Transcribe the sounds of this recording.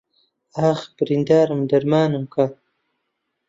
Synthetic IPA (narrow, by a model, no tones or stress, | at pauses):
aːxbɾind̪aːɾmd̪aɾmaːnumka